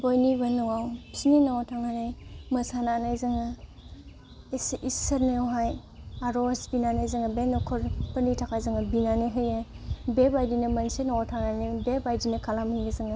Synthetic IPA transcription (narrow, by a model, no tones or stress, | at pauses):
bɔjnibanɔŋawsininaɔtʰaŋnanajmɐsanaːnajzɯŋa | sʔisɐɾnewɦaj | aɾɔsbinanajzɯŋabenɔkʰɔɾpənitʰakʰajzɯŋabinaniɦɯja | bebajdinamansenɔatʰaŋnanibebajdinakʰalamiɡazɯŋa